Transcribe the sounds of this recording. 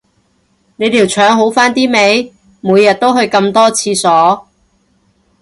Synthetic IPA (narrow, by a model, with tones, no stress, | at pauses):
ne˨˧jt̪iː˨˩wt͡ʃʰœː˨˧ŋɦo˨˥wfaː˥nt̪iː˥me˨˧j | muː˨˧jːɐ˨t̚t̪o˥wɦɵ˧ɥkɐ˧mt̪ɔː˥t͡sʰiː˧sɔː˨˥